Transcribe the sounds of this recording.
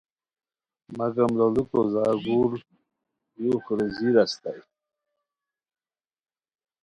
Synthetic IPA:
maɡamlalukozaːɡul | juxɾeziɾast̪aj

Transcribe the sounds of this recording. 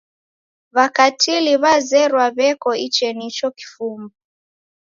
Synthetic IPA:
βakatʰiliβazɛɾwaβɛkɔit͡ʃɛnit͡ʃɔki̥fumbu

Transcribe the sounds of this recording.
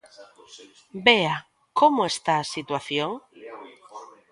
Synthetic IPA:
bea | komoest̪aːsit̪waθjoŋ

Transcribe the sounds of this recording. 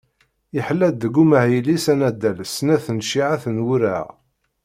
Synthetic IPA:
iħlːæd̪ːəɡːuməʕjilisænæd̪ːæləsnæθənʃiʕaθənwuɾæʁ

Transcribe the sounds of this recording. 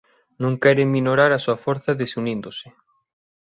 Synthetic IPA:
nũŋkɛɾeŋmĩnoɾaɾɐsuɐfoɾθɐðesunĩnd̪osɪ

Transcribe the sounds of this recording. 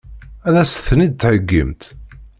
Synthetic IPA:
æðæsθənid̪̚t͡sːħəɡːə̰mt̪

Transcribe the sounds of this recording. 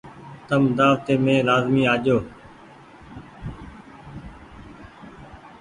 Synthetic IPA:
t̪əmd̪aːʋt̪eːmẽːlaːzmiːaːʄoː

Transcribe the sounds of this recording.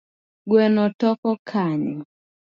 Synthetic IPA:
ɡwɛnɔtɔkɔkʰaɲɪ

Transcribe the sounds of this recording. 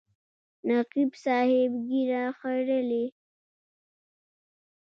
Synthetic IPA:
naqibsɑːhɪbɡiɾaxaɾəli

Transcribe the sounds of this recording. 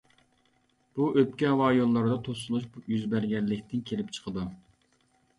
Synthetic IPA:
b̥uʔøpkʲɛɑwɑːjonlˠɑɾd̪ɑt̪ʰosulˠuʃjyzbæɾɡʲɛnlːɪkʲt̪ʰɪnkʲʰelɪp̚t͡ʃʰə̥qʰəd̪u

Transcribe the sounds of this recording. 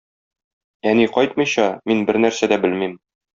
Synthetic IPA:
æniqɒjt̪̚mɤ̆jɕɑminbɘɾnæɾsæd̪æbɘlmim

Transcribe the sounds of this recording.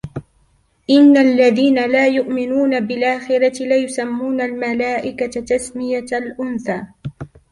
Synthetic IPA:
ʔɪnːalːaðiːnalaːjʊʔmɪnuːnabɪlʔaːxɪɾɑɪlajʊsamːuːnalmalaːʔɪkat̪asmɪjalʔʊnθaː

